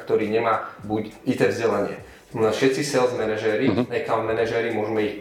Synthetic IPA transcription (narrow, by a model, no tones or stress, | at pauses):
kt̪ɔɾiːɲɛmaːbucit̪ɛːvzɟɛlaɲɪɛ̰ | mɔafʃɛt̪t͡sisɛlzmɛnɛʒɛːɾinakalmɛnɛʒɛɾimʊɔʒmɛix